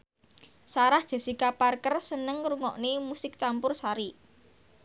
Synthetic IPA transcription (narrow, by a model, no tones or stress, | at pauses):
saɾahd̥ʒ̥e̤sikaparkərsənəŋɾuŋɔʔnimusɪk̚t͡ʃampʊrsaɾi